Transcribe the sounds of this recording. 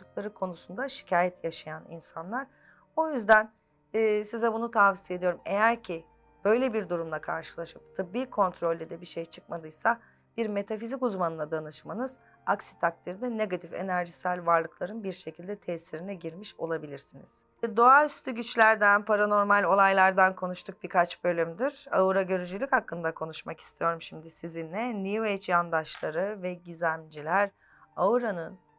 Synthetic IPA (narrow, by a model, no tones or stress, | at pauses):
ɯklˠaɾɯkʰo̞nusund̪aʃi̥cʰaːjɛt̪ʰjaʃajanḭnsanlˠaɾ̥ | o̞jyzd̪ænː | sizɛbunut̪ʰavsije̞d̪ijo̞ɾume̞̰jæɾcʰi | b̥ø̞jlʲebiɾd̪uɾumlˠakʰaɾʃɯ̥lˠaʃɯp̚t̪ʰɯbːiːkʰo̞nt̪ʰɾo̞lʲːed̪ɛbiʃejt͡ʃʰɯk̚mad̪ɯjsa | b̥iɾme̞t̪ʰafizikuzmanɯnˠad̪anɯʃmanɯz̥ | aksi̥t̪ʰak̚t̪ʰiɾd̪ɛne̞ɡat̪ʰife̞̰næɾʒisælʲvaɾlˠɯklˠaɾɯnbiɾʃe̞cʰilʲd̪ɛt̪ʰɛsiɾinɛɟiɾmiʃo̞lˠabilʲiɾsiniz̥ | d̪oayst̪ʰyɟyt͡ʃlʲæɾd̪ænpʰaɾano̞ɾmalʲo̞lˠajlˠaɾd̪ankʰo̞nuʃt̪ʰuk̚bikʰat͡ʃbø̞lʲymd̪iɾ̥a̰uɾaɟø̞ɾyd͡ʒylʲychakːɯnd̪akʰo̞nuʃmaki̥st̪ʰijo̞ɾumʃimd̪isizinːɛnivejt͡ʃjand̪aʃlˠaɾɯvɛɟizæmd͡ʒilʲæɾ | auɾanɯn